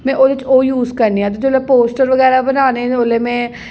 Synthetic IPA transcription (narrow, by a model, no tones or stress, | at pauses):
mɛ̃ːʔoːdɪt͡ʃoːjuːzkəɾniːãːt̪ɪd͡ʒolepoːsʈəɾʋəɣɛːɾaːbənaːneːoleːmɛ̃ː